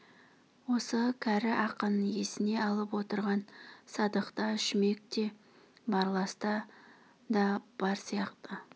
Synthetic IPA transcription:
wo̞səkʲʰæɾɪʔɑqənje̞sɪne̞ɑlˠəpwo̞t̪əɾʁɑnsɑd̪əqt̪ɑʃɪme̞k̚t̪e̞ | bɑɾlˠɑst̪ə | d̪ɑb̥ɑɾsijɑqt̪ə

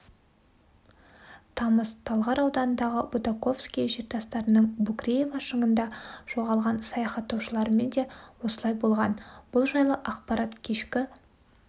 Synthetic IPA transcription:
t̪ʰɑməz̥t̪ʰɑlˠʁɑɾɑwd̪ɑnənd̪ɑʁəbud̪ako̞fskʲijʒeɾt̪ʰɑst̪ɑɾənəɴbʊkrʲejevɑʃəɴənd̪ɑʒ̥o̞ʁɑlˠʁɑnsɑjɑχɑt̪ːɑwʃəlˠɑɾəme̞nd̪e̞wo̞səlˠɑjbo̞lˠʁɑnb̥ʊlˠʒɑjlˠəʔɑqpɑɾɑt̪kʲʰe̞ʃkʲɪ

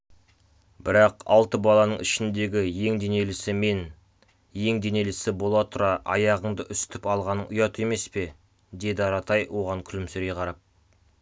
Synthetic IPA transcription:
bɪɾɑqɑ̰lˠt̪əbɑlˠɑnəɴɪʃɪnd̪e̞ɡʲɪje̞ŋd̪e̞ne̞lɪsɪme̞n | je̞ŋd̪ene̞lɪsɪbo̞lˠɑt̪ʰʊɾɑʔɑ̰jɑʁəɴd̪əʔʏst̪ɪpɑlˠʁɑnəʊjɑt̪ʰue̞me̞spe̞ | d̪e̞d̪ɪɑɾɑt̪ɑjwʔo̞ʁɑŋkʲʰʏlɪmseɾɡʲe̞qʰɑɾɑp̚

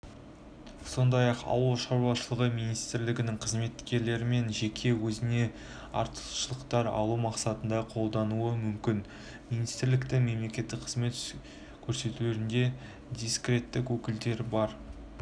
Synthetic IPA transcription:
so̞nd̪ɑjɑqɑ̰wəlˠʃɑɾwɑʃəlˠəʁəmijnijst̪ɪɾlɪɡʲɪnɪŋqʰəzme̞t̪ːkʲe̞ɾle̞ɾɪme̞nʒe̞kʲʰe̞wɵzɪne̞ | ɑ̰ɾt̪əʃəlˠəqt̪ɑɾɑ̰lˠumɑqsɑt̪ənd̪ɑqʰo̞lˠd̪ɑnuəmʏmkʲɪn | minijst̪ɪɾlɪkt̪ɪme̞mle̞kʲe̞t̪ːɪk̚qʰəzme̞t̪ | kʲʰɵɾse̞t̪uleɾɪnd̪e̞ | d̪ijskrʲe̞t̪ːɪkwɵkʲɪld̪e̞ɾbɑɾ

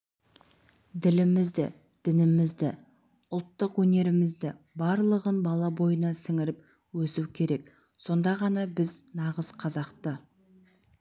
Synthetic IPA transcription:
d̪ɪlɪmɪzd̪ɪ̰ | d̪̥ɪnɪmɪzd̪ɪ | ʊlˠt̪ːəqwɵne̞ɾɪmɪzd̪ɪ | bɑɾlˠəʁənbɑlˠɑbo̞jənɑsɪŋɪɾɪp̚ | wɵsuwkʲʰe̞ɾe̞k | so̞nd̪ɑʁɑnɑbɪznɑʁəzqʰɑzɑqt̪ə

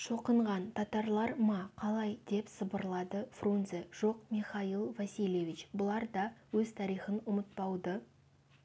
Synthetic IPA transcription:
ʃo̞qəɴʁɑnt̪ʰɑt̪ɑɾlˠɑɾmɑqʰɑlˠɑjd̪e̞psəbəɾlˠɑd̪əfrunzeʒ̥o̞q̚mʲiχɑilˠvɑsʲilʲjevʲit͡ʃbʊlˠɑɾd̪ɑwɵzt̪ʰɑɾijχənʊmət̪̚pɑwd̪ə

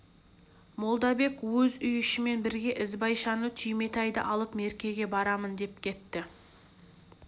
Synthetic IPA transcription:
mo̞lˠd̪ɑbe̞kwɵzʏjʏʃɪme̞nbɪɾɡʲe̞ʔɪzbɑjʃɑnət̪ʰʏjme̞t̪ɑjd̪ə̰ʔɑlˠəpme̞ɾkʲe̞ɡʲe̞bɑɾɑmənd̪e̞p̚kʲʰe̞t̪ːɪ

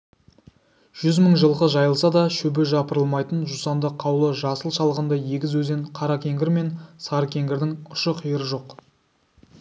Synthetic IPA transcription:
ʒ̥ʏzməɴʒəlˠʁəʒɑjəlˠsɑd̪ɑʃɵbeʒɑpəɾəlˠmɑjt̪ənʒusɑnd̪əqʰːɑwlˠəʒɑsəlˠʃɑlˠəʁənd̪ɑje̞ɡʲɪzwɵze̞ɴqʰɑɾɑkʲʰe̞ŋɡʲɪɾme̞nsɑɾkʲʰe̞ŋɡʲɪɾd̪ɪŋʊʃəqʰijəɾəʒo̞q

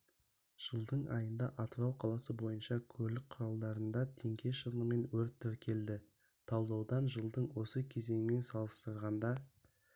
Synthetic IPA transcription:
ʒ̥əlˠd̪əɴɑ̰jənd̪ɑʔɑt̪ɾɑwqʰɑlˠɑsəbo̞jənʃɑkʲʰɵɾlɪk̚qʰʊɾɑlˠd̪ɑɾənd̪ɑt̪ʰe̞ŋkʲʰe̞ʃənəme̞nwɵɾt̪ʰːɪɾkʲʰe̞ld̪ɪ | t̪ʰɑlˠd̪ɑwd̪ɑnʒəlˠd̪əɴwo̞səkʲʰe̞ze̞ŋɪme̞nsɑlˠəst̪əɾʁɑnd̪ɑ

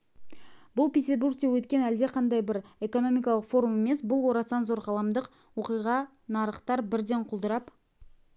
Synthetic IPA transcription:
bʊlˠpʲet̪ʲe̞ɾburɡ̚d̪ewɵt̪kʲe̞næld̪e̞qʰɑnd̪ɑjbɪɾe̞ko̞no̞mijk̬ɑlˠəqfo̞ɾume̞me̞sbʊlˠwo̞ɾɑsɑnzo̞ɾʁɑlˠɑmd̪əq | woqijʁɑ | nɑɾəχt̪ɑɾbɪɾd̪e̞ɴqʰʊlˠd̪əɾɑp

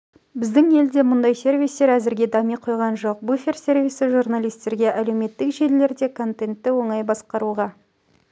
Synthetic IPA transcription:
bɪzd̪ɪŋe̞ld̪e̞mʊnd̪ɑjse̞rvijst̪e̞ɾæzɪɾɡʲe̞d̪ɑmijqʰo̞jʁɑnʒo̞q̚bufʲe̞rse̞rvijsɪʒurnalˠijst̪e̞ɾɡʲe̞ʔælewme̞t̪ːɪkʒe̞llːe̞ɾd̪e̞kʰo̞nt̪e̞nt̪ːɪwo̞ɴɑjbɑsqɑɾuʁɑ

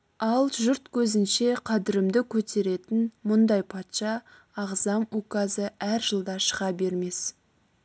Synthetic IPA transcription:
ɑlˠʒʊɾt̪kʲʰɵzɪnʃe̞qʰɑd̪ɪɾɪmd̪ɪkʲʰɵt̪ʰe̞ɾe̞t̪ɪnmʊnd̪ɑjpʰɑt̪ʃɑː | ʁzɑmukazəæɾʒəlˠd̪ɑʃəʁɑbe̞ɾme̞s

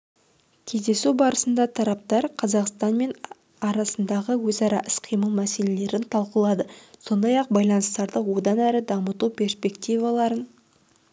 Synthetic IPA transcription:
kʲʰe̞zd̪e̞subɑɾəsənd̪ɑt̪ʰɑɾɑp̚t̪ɑɾqʰɑzɑqst̪ɑnme̞n | ɑɾɑsənd̪ɑʁəwɵzɑɾɑʔɪsqʰijməlˠmæse̞le̞le̞ɾɪnt̪ʰɑlˠqəlˠɑd̪əso̞nd̪ɑjɑq̚bɑjlˠɑnəst̪ɑɾd̪əwo̞d̪ɑnæɾɪd̪ɑmət̪upʲʰe̞ɾspe̞kt̪ijvɑlˠɑɾən

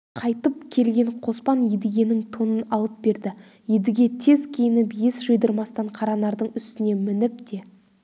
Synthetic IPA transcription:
qʰɑjt̪əp̚kʲʰe̞lɡʲe̞ɴqʰo̞spɑnjed̪ɪɡʲe̞nɪŋt̪ʰo̞nənɑlˠəp̚be̞ɾd̪ɪ | jed̪ɪɡʲe̞t̪ʰe̞zkʲʰejɪnɪpjesʒəjd̪əɾmɑst̪ɑɴqʰɑɾɑnɑɾd̪əɴʏst̪ɪne̞mɪnɪp̚d̪e̞

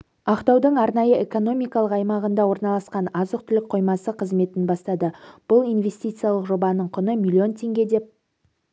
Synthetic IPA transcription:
ɑqt̪ɑwd̪əɴɑɾnɑjəe̞ko̞no̞mijkɑlˠəqɑjmɑʁənd̪ɑwo̞ɾnɑlˠɑsqɑnɑzəq̚t̪ʰʏlɪk̚qʰo̞jmɑsəqʰəzme̞t̪ɪnbɑst̪ɑd̪əb̥ʊlˠijnve̞st̪ijt̪sɨjalˠəqʒo̞bɑnəɴqʰʊnəmʲilʲːio̞nt̪ʲʰe̞ŋɡʲe̞d̪e̞p̚

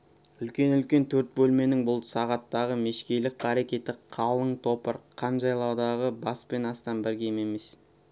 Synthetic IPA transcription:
ʏlkʲe̞nʏlkʲe̞nt̪ʰɵɾt̪̚bɵlme̞nɪŋbʊlˠsɑʁɑt̪ːɑʁəme̞ʃkʲe̞jlɪkɑɾekʲe̞t̪ɪqʰɑlˠəɴt̪ʰo̞pəɾqʰɑnʒɑjlˠɑwd̪ɑʁəbɑspe̞nɑst̪ɑnbɪɾɡʲe̞jme̞me̞s

